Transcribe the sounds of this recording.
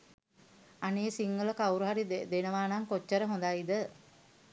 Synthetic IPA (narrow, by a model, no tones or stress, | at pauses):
aneːsiŋɡələkawɾuɦaɾid̪enəʋaːnaŋkot͡ʃːəɾəɦõnd̪aid̪ə